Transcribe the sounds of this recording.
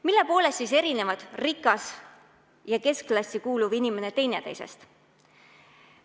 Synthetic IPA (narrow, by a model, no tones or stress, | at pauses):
milːe̞po̞ːle̞st̪ːise̞ɾine̞vɑd̪̥rikːˑɑs | jɑke̞sklɑsʲikuːluvinime̞ne̞t̪e̞jne̞t̪ejsḛst̪